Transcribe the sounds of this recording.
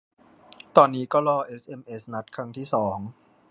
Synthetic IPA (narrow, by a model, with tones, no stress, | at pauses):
t̪ɔː˧nːiː˦˥kɔː˥˩lɔː˧ʔe˦˥sʔe˧mʔe˦˥sna˦˥t̪̚kʰɾa˧ŋt̪ʰiː˥˩sɔː˩˦ŋ